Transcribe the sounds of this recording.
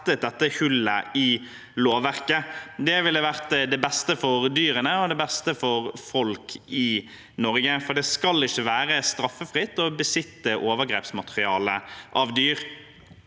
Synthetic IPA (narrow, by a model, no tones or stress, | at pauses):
t̪ət̪̚d̪ɛt̪ːəhʉlə̰ɪ | loːʋʋæʁkəd̪ɛʋɪlːəʋæʁt̪d̪ɛbɛst̪əfɔʁd̪yːɾənəɔd̪ɛbɛst̪əfɔʁfɔlkʰɪ | nɔʁɡəfɔd̪ɛskɑlːɪçːəʋæːɾəst̪ɾɑfːəfʁɪt̪ːɔbəsɪt̪ːəʔoːʋəʁɡʁḛːpsmɑt̪əʁɪɑːləʔɑʋd̪yːʁ